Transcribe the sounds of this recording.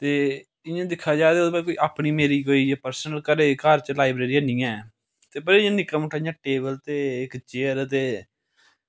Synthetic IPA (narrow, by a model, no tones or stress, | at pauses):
t̪eː | ɪ̃jãːd̪ɪkʰːaːd͡ʒaːd̪eːobaːkoːiːʔaːpɳiːmeːɾiːɦoːiːapəɾsənəlkəɾeːkaːɾt͡ʃlaːɪbɾeːɾiːənĩːɛ̃ː | t̪eːbəɾeːãːnɪkːəmʊʈʰːaːɪjãːʈeːbəlt̪eːɪkt͡ʃeːəɾt̪eː